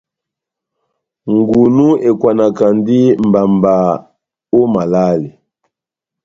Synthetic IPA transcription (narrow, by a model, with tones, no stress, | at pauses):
ŋɡu˨nu˦ɛ˨kwa˨na˨ka˨ndi˦m̩˨ba˨mba˨ | o˦ma˨la˦li˨